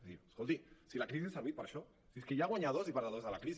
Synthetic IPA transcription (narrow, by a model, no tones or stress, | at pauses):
ie̥skolt̪isilakɾis̬iesaβit̪̚paɾaʃo | siskeʝaɣwaɲaðozipaɾaðozðalakɾis